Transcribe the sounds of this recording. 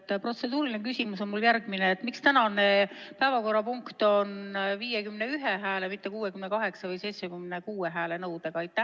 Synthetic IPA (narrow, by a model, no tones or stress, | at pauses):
t̪ːpro̞t̪se̞d̪̥uːɾilʲinekysʲimuso̞nmuljærɡ̥mineːt̪ːmikst̪ænɑne̞pæevɑko̞rːɑpuŋkt̪o̞nviːjekymne̞yɦeɦæːlemit̪ːe̞kuːwe̞kymnekɑɦe̞ksɑvɤjse̞jt̪sekymnekuːeɦæːle̞nɤwd̪̥e̞ɡ̥ɑɑjt̪ːæ